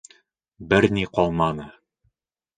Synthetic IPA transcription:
bɘɾniqɒlˠmɑnɤ

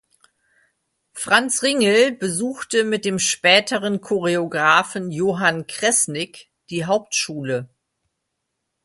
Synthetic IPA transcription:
fʁ̥ant͡sʁɪŋl̩bəzuːxtəmɪt̚d̥eːmʃpɛːtʰəʁənkʰoʁeoɡʁaːfn̩joːɦankʁ̥ɛsnɪk | d̥iːɦaʊp̚tʃuːlə

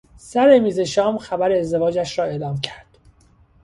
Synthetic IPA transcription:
sæɾemiːze̞ʃɒːmxæbæɾeːzd̪e̞vɒːd͡ʒæʃɾɒːe̞ːlɒːmcʰæɾd̪̥

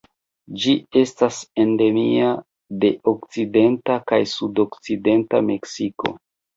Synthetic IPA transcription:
d͡ʒie̞stase̞nde̞mia | de̞ʔokt͡side̞ntakajsudo̞kt͡side̞ntame̞ksiko̞̰

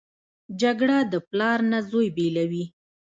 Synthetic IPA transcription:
d͡ʒaɡɽad̪əplɑɾnazojbelawi

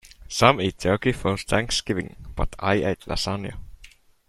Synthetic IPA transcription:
sãmit̪ʰokifɜːsθʰæ̃ŋksɡ̥ɪvɪ̰̃ŋb̥ʌ̰t̪ʰa̰ɪeɪt̪ʰla̰sanjə̰

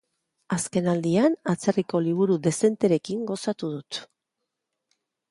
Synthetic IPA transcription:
aske̞nald̪ianat͡se̞riko̞liβ̞uɾuðe̞se̞nt̪e̞ɾe̞kiŋɡo̞sat̪uð̞ut̪

